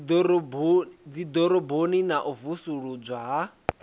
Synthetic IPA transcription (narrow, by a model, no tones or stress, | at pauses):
d͡zid̪ɔɾɔboninaʔuvusuɺud͡ʒʷwaɦa